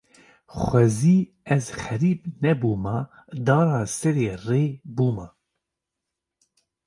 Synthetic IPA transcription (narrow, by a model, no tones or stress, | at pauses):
xʷɛziː | ɛzχɛɾiːbnɛbuːmɑ | d̪ɑːɾɑːsɛɾeːreːbuːmɑ